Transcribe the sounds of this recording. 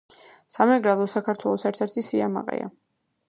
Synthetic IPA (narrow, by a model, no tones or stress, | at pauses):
samɛɡɾalˠɔsakʰaɾt̪ʰwɛlˠɔsɛɾt̪ʰɛɾt̪ʰisiama̰qʼɛ̰a̰